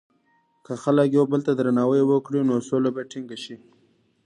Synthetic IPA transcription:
kəxaləkjobəlt̪ad̪ɾanɑwəjwəkɽinosolabajʈʰɪŋɡaʃi

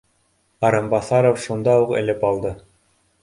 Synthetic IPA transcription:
ɑɾɤmbɑθɑɾofʃund̪ɑuqɘ̰̆lɘpɑlˠd̪ɤ

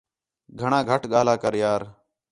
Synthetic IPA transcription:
ɡʱəɳãːɡʱəʈɠaːlaːkəɾjaːɾ

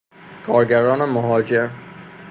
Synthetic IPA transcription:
kʰɒːɾɡæɾɒːnemoɦɒːd͡ʒeɾ

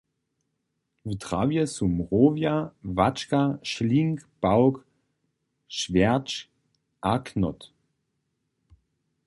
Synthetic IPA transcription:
vitʁ̥aːvjəsumʁoːvjavat͡ʃkaʃliŋkb̥aʊk | ʃv̥ɛɐt͡ʃ | ʔaknɔt

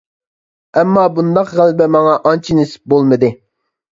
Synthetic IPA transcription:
ɛmːɑːbund̪ɑqʁælbɛmɑŋɑʔɑnt͡ʃʰinɪsɪ̥p̚bolˠmɨd̪ɪ

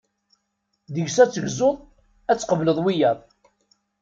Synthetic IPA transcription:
ðəʝsæt͡sːəʝzoðˤ | æt͡sːqəvləðˤwijɑðˤ

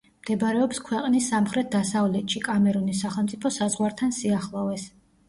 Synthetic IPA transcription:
md̪̥ɛbɾɛɔpskʰwɛqʼnisːamχɾɛt̪̚d̪asavlɛt̪ʃikʼamɛɾunisːaχɛlˠmt̪sʼipʰɔsazʁwaɾt̪ʰansiaχlˠɔvɛs

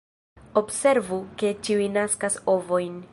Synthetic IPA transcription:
o̞bse̞ɾvuke̞t͡ʃiujnaskaso̞vo̞jn

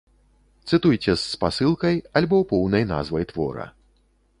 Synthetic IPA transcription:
t̪sɨt̪ujt͡sʲɛsːpasɨlˠkɐjalʲbɔpɔwnɐjna̰zvɐjt̪vɔ̰ɾɐ̰

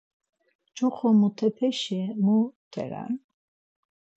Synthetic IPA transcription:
d͡ʒuχɔmut̪ʰɛpʰɛʃɛmut̪ʰɛ̰ɾa̰n

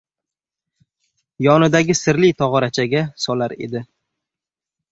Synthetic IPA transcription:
jɒnɪd̪aɡʲɪsɪɾlɪjt̪ʰɒʁɒɾat͡ʃʰaɡʲasɒlaɾe̞̰d̪ɪ

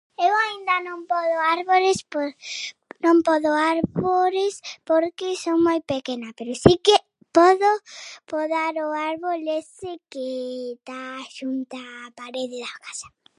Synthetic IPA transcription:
ewaind̪anõŋpɔðoaɾβolɪsp | nõŋpɔðoaɾβolespoɾkɪsoŋmojpekenapeɾosike | pɔðopoðaɾoaɾβolesɪket̪aʃunt̪aːpaɾeðɪðakasḁ

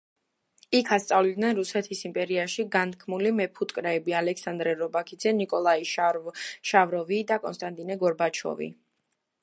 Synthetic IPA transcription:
ikʰast̪sʼavlid̪nɛnɾusɛt̪ʰisimpʼɛɾiaʃiɡant̪kʰmulimɛpʰut̪ʼkʼɾɛːbialɛksand̪ɾɛɾɔbakʰid̪zɛnikʼɔlˠai | ʃavɾɔvid̪akʼɔ̰nst̪ʼant̪ʼinɛɡɔɾbat͡ʃʰɔ̰vḭ

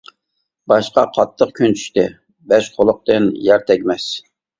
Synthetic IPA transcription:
bɑʃqɑqʰɑt̪ʰːəq̚kʲʰynt͡ʃʰy̥ʃʲt̪ɛ | bɛʃqʰolˠʊq̚t̪ɨnjɑɾt̪ʰɛkʲmɛs

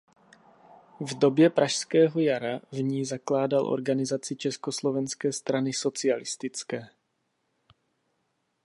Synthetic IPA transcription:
vdo̞bjɛpɾʔaʃskɛːɦo̞jaɾavɲiːzaklaːdalʔo̞̰ɾɡanɪzat͡sɪt͡ʃɛskoslovɛnskɛːst̪ɾanɪso̞t͡sɪalɪst̪ɪt͡skɛː

